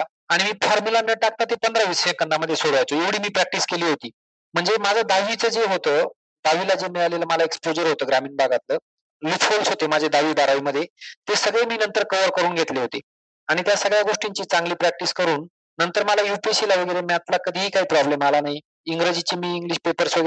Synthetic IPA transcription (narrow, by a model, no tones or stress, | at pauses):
aɽ̃imiːfɔɾmulameɽʈak̚t̪at̪epənd̪ɾaʋisjẽŋkənd̪aməd̪ʱːjesoɽajt͡soeʋɽ̤iːmiːpɾæk̚ʈiːskeliːɦot̪iː | m̤əɳd͡zemad͡zʱad̪aʋit͡səːd͡zeɦot̪əː | d̪̥aʋilad͡zemialeləːməlaekspod͡ʑəɾɦot̪əːɡɾamiːnbʱaɡat̪ləː | lukfolsɦot̪emad͡ʑʱed̪aʋiːbaɾaʋiːməd̪ʱːjet̪esəɡɭemiːnənt̪əɾkəʋəɾkəɾuːnɡʱet̪leɦot̪e | aɽ̃it̪jasəɡɭjaɡoʂʈiɲt͡ɕiːt͡sãŋɡliːpɾɛk̚ʈiskəɾuːn | nənt̪əɾməlajupisilaʋəɡəjɾemjat̪lakəd̪ʱiːɦiːkaɦiːpɾɔblemalanaɦi | iŋɡɾəd͡ʑit͡ɕiːmiːŋɡliɕpepəɾsʋəɡ